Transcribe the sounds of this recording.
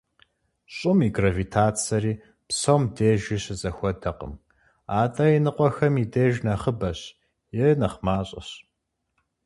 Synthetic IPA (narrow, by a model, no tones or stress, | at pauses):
ɕʼʊmiːɡrɐvitʰaːt͡sʰɐɾiː | psɐwmdeːʒiːɕɨzʼɐxʷɔdɐqə̰m | aːtʼɐinɨqʷɔxɐmideːʒnɐχəbɐɕ | jɛnɐχmaːɕʼɐ̰ɕ